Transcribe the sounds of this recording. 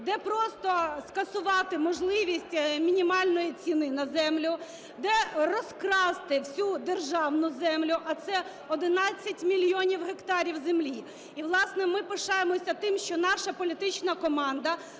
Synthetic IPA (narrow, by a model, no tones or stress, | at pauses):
d̪ɛpɾɔst̪ɔskɐsʊʋɑt̪ɪmɔʒlˠɪʋʲisʲtʲmʲinʲimɑlʲnɔjit͡sʲinɪnɐzɛmlʲʊ | d̪ɛrɔskɾɑst̪ɪwsʲud̪erʒɑwnʊzɛmlʲʊʔɐt̪sɛ | ɔd̪ɪnɑt͡sʲːɐtʲmʲilʲjɔnʲiwɦekt̪ɑɾʲiwzemlʲi | iʋlˠɑsnɛmɪpɪʃɑjemɔsʲɐt̪ɪmʃt͡ʃɔnɑʃɐpɔlʲit̪ɪt͡ʃnɐkɔmɑnd̪ɐ